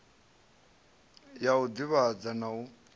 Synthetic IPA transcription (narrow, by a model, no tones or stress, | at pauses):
jaud̪iβad͡zanau